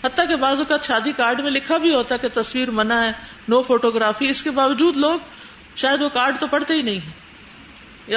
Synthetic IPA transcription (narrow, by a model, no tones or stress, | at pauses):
ɦɐt̪ːakebaːzʊkaːt̪ʃaːd̪ikaːɾɖmẽlɪkʰabʱiɦoːt̪aɦɛket̪ɐswiːɾmɐnaɦɛː | noːfoːʈoːɡɾaːfiɪskebaːʋəd͡ʒuːd̪loːɡ | ʃaːjəd̪ʋokaːɾɖt̪opɐɽt̪eɦinɐɦĩɦɛ̃ː